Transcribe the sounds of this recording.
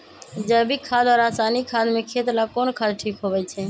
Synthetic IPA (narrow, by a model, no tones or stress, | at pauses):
d͡ʒɛbʱikʰad̪ɔːɾasanikʰad̪mekʰet̪lakonkʰad̪ʈʰikɦobɛt͡ʃʰɛ